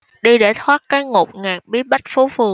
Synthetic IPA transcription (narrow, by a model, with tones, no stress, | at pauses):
ɗi˧ɗe˧˩t̪ʰwaː˦˥t̚kaː˨˦jŋo˨˩k͡p̚ŋaː˨˩k̚ɓi˨˦ɓa˦˥t̟̚fu˨˦fɨ˨˩əŋ